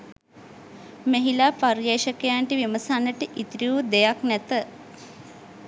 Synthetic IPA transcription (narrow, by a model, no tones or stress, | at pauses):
meɦilaːparjeːʃəkejaɳʈiʋiməsanːəʈəʔit̪ɾiud̪ejaknɛt̪ə